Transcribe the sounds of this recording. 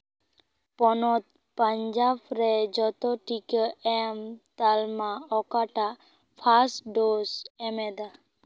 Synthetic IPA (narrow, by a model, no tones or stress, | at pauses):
pɔnɔt̪ | pəɲd͡ʒabɾed͡ʒɔt̪ɔʈikəɛmt̪almaɔkaʈa | pʰasʈɖosɛmed̪a